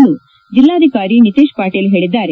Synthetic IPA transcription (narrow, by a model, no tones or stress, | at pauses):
nːu | d͡ʒilːaːd̪ʱikaːɾinit̪iːʃpaːʈeːlɦe̞ːɭid̪ːaːɾe